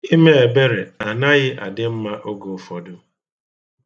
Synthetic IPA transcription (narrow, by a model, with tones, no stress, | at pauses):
i˦me˦e˨be˦ɾe˨a˨na˦ɣɪ˦ʔa̰˨dɪ˦m̩˦ma˦ʔo˦ɡo˨fɔ˨dʊ˦